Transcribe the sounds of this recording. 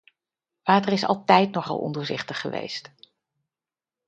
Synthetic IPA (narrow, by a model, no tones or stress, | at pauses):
ʋaːtərɪsɑ̰lˠtɛjtnɔχɑ̰lˠɔ̰ndəɹzɪχtəχəʋḛjst